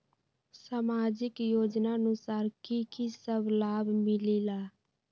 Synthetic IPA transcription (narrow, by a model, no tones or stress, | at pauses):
saːmaːd͡ʒɪkjoːd͡ʒnaənʊsaːɾkikisəblaːbʱmɪlilaː